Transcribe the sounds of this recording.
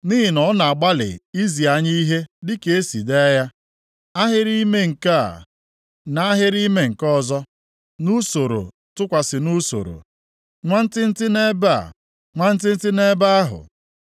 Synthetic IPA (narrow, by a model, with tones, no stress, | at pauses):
ni˦ɦɪ˨nɔ˨˦na˨a˨ɡ͡ba˦lɪ̰˨i˦zi˨a˨ɲi˦i˦ɦe˦dɪ˦ke˦e˦si˨de˦ja˦ | a˦ɦɪ˦ɾi˦me˦ŋ̩˨ka̰˦˨ | na˨a˦ɦɪ˦ɾi˦me˦ŋ̩˨kɔ˦˨zɔ˦ | nu˦so˨ɾo̰˨ | tʊ˦kʷa˨sɪ˨nu˦so̰˨ɾo̰˨ | ŋʷa˦n̩˦tɪ˦n̩˦tɪ˦ne˦ba̰˦˨ | ŋʷa˦n̩˦tɪ˦n̩˦tɪ˦ne˦ba˦a˦ɦʊ̰˨